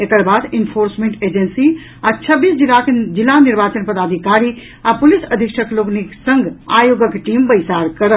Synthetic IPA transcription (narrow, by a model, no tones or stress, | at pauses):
ekəɾbad̪inpʰoɾsmẽɳʈed͡ʒensi | at͡ʃʰəbːisd͡ʒilːaked͡ʒilːaniɾbat͡ʃənpəd̪ad̪ʱikaɾi | apulisəd̪ʱikʃəkloɡniksəŋɡa̰joɡəkʈimbəjsaɾkəɾə